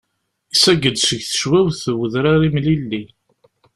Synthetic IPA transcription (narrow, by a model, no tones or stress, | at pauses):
isæɡːəd̪səʝθə̥ʃwæwθəwəðɾaɾimlilːi